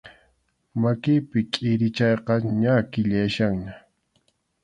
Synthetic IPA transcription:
makɪpɪkʼɪɾɪt͡ʃɑjqɑɲakɪʎaʃaŋɲa

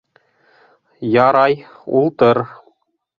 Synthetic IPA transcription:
jɑɾɑj | ṵlˠt̪ɤɾ

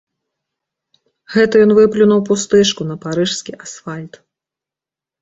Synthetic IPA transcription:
ɣɛt̪ɐjɔnvɨplʲunɐwpust̪ɛʂkunɐpaɾɨʂskʲiʔasfalʲt̪

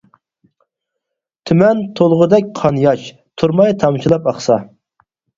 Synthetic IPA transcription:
t̪ʰymɛnt̪ʰolˠʁʊd̪ɛk̚ʲqʰɑnjɑʃ | t̪ʰuɾmɑjt̪ʰɑmʃilˠɑpɑχsɑ

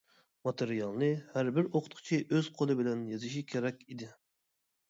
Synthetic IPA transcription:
mɑt̪ʰeɾijɑlˠnɨhæɾbɪɾoqʰʊt̪qʰɨ̥t͡ʃʰiʔøz̥qʰolˠɨbɪlɛnjɑzɪʃikʲʰeɾɛkʲid̪ɪ

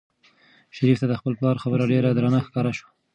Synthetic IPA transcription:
ʃaɾift̪ad̪əxpəlplɑɾxabəɾaɖeɾad̪ɾanaxkɑɾaʃwḁ

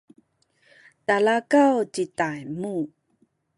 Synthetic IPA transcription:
talakawt͡ɕitajmu

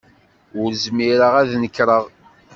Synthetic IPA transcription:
ʊɾzmiɾəʁæðnəkːɾˤəʁ

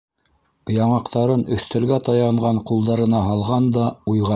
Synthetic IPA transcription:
jɑɴɑqt̪ɑɾɤnɵ̆θt̪æ̆lɡæt̪ɑjɑɴʁɑɴqulˠd̪ɑɾɤ̆nɑɦɑlˠʁɑnd̪ɑujʁɑ

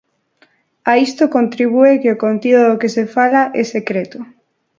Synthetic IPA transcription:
aist̪okont̪ɾiβ̞uekeokont̪iðoðokesefalaʔɛsekɾet̪ʊ

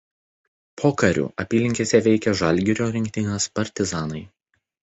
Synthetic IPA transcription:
pʰoːkɐɾʲṵːʔɐpʲiːlʲɪŋʲkʲeːsʲɛʋʲɛɪkʲɛʒɐˑlʲɡʲɪɾʲoːɾʲɪŋʲkʲt̪ʲɪnɐspɐɾʲt̪ʲɪzɑːnɐɪ

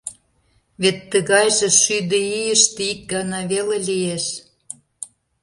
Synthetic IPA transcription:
βet̪ːə̆ɣɑjʒĕʃyd̪ə̆ijəʃt̪eik̚ɡɑnɑβelelʲijeʃ

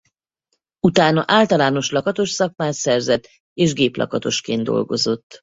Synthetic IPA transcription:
ut̪aːnɒʔaːlt̪ɒlaːno̞ʃlɒkɒt̪o̞ʃsɒk̚maːsɛrzɛt̪ː | eːʒɡeːplʔɒ̰kɒt̪o̞ʃkeːnd̪d̪o̞̰lɡo̞̰zo̞t̪ː

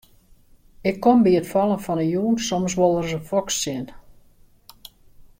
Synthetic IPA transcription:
ɪkʰːombiətfɔlˠənfɔnəjuːnsoms̬ʋolˠərzəfɔksːɪn

